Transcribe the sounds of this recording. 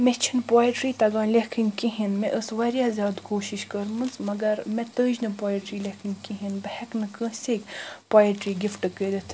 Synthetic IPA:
met͡ʃʰinpaːjiʈɾiːt̪ɐɡãːnlʲekʰiŋɡkiɦinmeʔəsʋɐɾʲjaːzʲjaːd̪koːʃiʃkəɾmɨnsmɐɡɐɾmet̪əːd͡ʒnɨpaːiʈɾiːlekʰiŋɡkiɦinbɐhɐknɨkə̃ːseːkpaːjiʈɾiːɡifʈɨkəɾit̪ʰ

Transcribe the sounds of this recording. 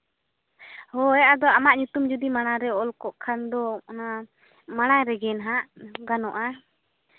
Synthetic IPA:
hɔjaʔad̪ɔamaʔɲut̪umd͡ʒud̪imaɽ̃aɾɛɔlkɔʔkʰand̪ɔa | maɽ̃ajɾɛɡɛnɦaʔɡanɔʔa

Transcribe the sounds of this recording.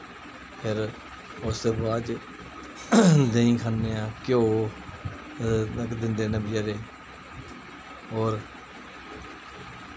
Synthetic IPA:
pʰɪɾ | ʊsebaːd͡ʒ | d̪eĩːkʰaːnːeːãːkjoː | əkd̪ɪ̃nd̪eːnəbɪjaːɾeː | ɔːɾ

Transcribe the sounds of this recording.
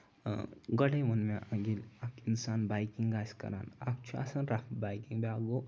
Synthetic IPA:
ɡəɽejmənmeʔaɡilakinsaːnbajkiŋɡɡaskɐ̰ɾa̰ːna̰k̚t͡ʃʰua̰sanɾafbajkiŋbeaɡo

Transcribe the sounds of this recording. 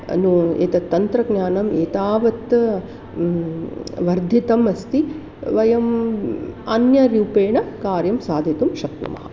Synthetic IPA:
nuḛːt̪ɐt̪ːɐnt̪ɾɐɡnjaːnɐmeːt̪aːʋɐt̪ | ʋɐɾd̪ʱit̪ɐmɐst̪i | ʋɐjɐm | ɐ̰njɐɾjuːpeːɳɐkaːɾjɐmsaːd̪ʱit̪umʃɐkt̪ṵmɐ̰ɦɐ

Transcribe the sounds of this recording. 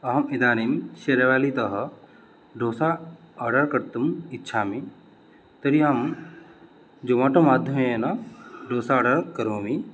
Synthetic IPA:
ɐɦɐmid̪aːninʃeɾeʋaːlit̪ɐɦɐ | ɖoːsaːɖɐɾkɐɾt̪umitːʃʰaːmi | t̪ɐɾiaːm | d͡ʒomaʈɐmaːd̪ʱjɐmeenɐɖoːsaɐːɖɐɾkɐɾoːmi

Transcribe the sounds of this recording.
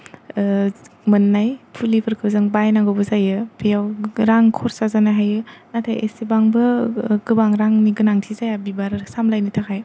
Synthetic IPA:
mɯnːajpʰulipʰɯɾkʰɯbzɯŋbajnaŋɡobɯzajɯbijawɾaŋkʰɔɾsazanaɦajɯnatʰa̰jḛsibaŋbɯɡɯbaŋɾaŋniɡɯnaŋtʰizajabibaɾsamlajnitʰakʰaj

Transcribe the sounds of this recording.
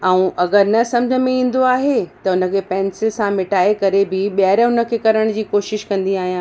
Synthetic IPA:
ɛ̃ũʔɐɡəɾnɐsɐ̃md͡ʑʱəmẽĩːn̆d̪oaːɦet̪ɐʊnə̆kʰeːpɛ̃ːnsɪlsãmɪʈaːekɐɾebɪɓjɾɦʊnə̆kʰeːkɐɾəɽ̃d͡ʑiːkoːʃɪʃkɐ̃nd̪iaːɦijãː

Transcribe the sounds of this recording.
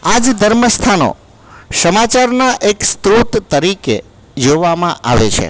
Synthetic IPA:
ad͡ʒd̪ʱəɾməst̪ʰano̰ | səmat͡ʃaɾnaʔekst̪ɾut̪t̪əɾike | d͡ʒoʋamãʔa̰ʋḛt͡ʃʰḛ

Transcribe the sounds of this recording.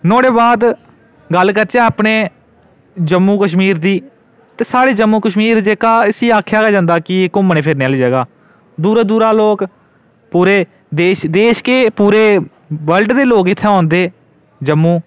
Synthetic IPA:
nɔːɽeːbaːd̪ | ɡəlkəɾt͡ʃɛːaːpɳeː | d͡ʒəmːuːkəʃmiːɾd̪iː | t̪eːsaːɽeːd͡ʒəmːũːkəʃmiːɾd͡ʒeːkaːɪsiːaːkʰjaːɡaːd͡ʒãːnd̪aːkɪkʊməneːpʰɪɾneaːlid͡ʒɛːɡaː | d̪uːɾaːd̪uːɾaːloːk | puːɾeː | d̪eːʃd̪eːʃkeːpuːɾeː | ʋəlɖd̪eːloːkɪt̪ʰːeːɔ̃ːnd̪eː | d͡ʒəmːũː

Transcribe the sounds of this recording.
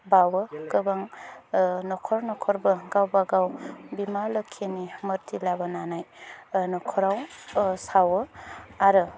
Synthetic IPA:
bawɯkɯbaŋ | nɔkʰɔɾnɔkʰɔɾbɯɡawbaɡawbimalɯkʰenimɯɾtʰilabananajnɔkʰɔɾawsawəaɾɯ

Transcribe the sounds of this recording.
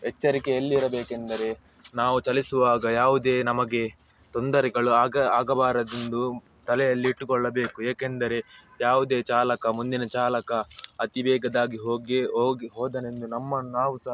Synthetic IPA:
ɛt͡ʃːɐɾikeɐlːiːɾɐbeːkend̪ɐɾe̞ | naːʋut͡ʃɐlisuʋaːɡɐjaːʋud̪e̞ːnɐmɐɡe̞ | t̪o̞nd̪ɐɾɛɡɐɭuaːɡɐaːɡɐbaːɾɐd̪end̪u | t̪ɐlɛjɐlːiːʈːukɔɭːɐbe̞ːkueːkend̪ɐɾe̞ | jaːʋud̪e̞ːt͡ʃaːlɐkɐmund̪inɐt͡ʃaːlɐkɐɐt̪ibɛːɡɐd̪aːɡiɦoːɡeoːɡiɦɔːd̪ɐne̞nd̪unɐmːɐnaːʋusɐ

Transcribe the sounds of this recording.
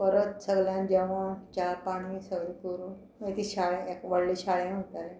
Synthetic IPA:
pəɾət̪səɡljãnd͡ʑɛʋ̤ãt͡ɕapaɽ̤̃isəɡɭikoɾuːn | et̪iːɕaɭẽekʋəɽliɕʰaɭjẽɦot̪aɾe

